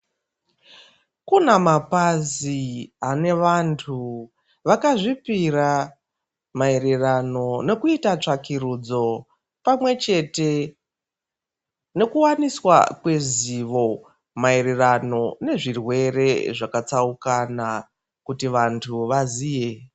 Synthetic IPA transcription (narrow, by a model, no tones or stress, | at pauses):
kunamapaziane̞ʋantʰu | ʋakaʐipiɾa | mae̞ɾe̞rano̞ne̞kuitat͡ʂakiɾud͡zo̞ | pamwe̞t͡ʃe̞te̞ | ne̞kuwaniswa̰kwe̞ziʋo̞ | mae̞ɾe̞rano̞ne̞ʐirwe̞re̞ʐakat͡saukana | kutiʋantʰuʋaziːje